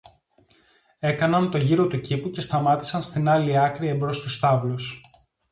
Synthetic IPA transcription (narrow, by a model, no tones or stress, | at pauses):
e̞kɐnɐnt̪o̞ʝiɾo̞t̪ucipuce̞st̪ɐmɐt̪i̥sɐnst̪inɐliɐkɾie̞mbɾo̞st̪ust̪ɐvlus